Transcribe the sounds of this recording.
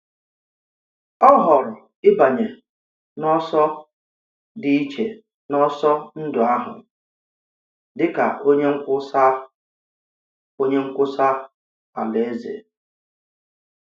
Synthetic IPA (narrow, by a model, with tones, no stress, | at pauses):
ɔ˦ɦɔ˨ɾʊ˨ | ɪ˦ba˨ɲe˨ | nɔ˦sɔ˦ | dɪ˦i˦t͡ʃe˨ | nɔ˦sɔ˦n̩˦dʊ˨a˦ɦʊ̰˨ | dɪ˦ka̰˨ʔo˦ɲe˦ŋ̩˦kʷʊ˦sa˦ | o˦ɲe˦ŋ̩˦kʷʊ˦sa˦ | a̰˨le˨e˦zḛ˨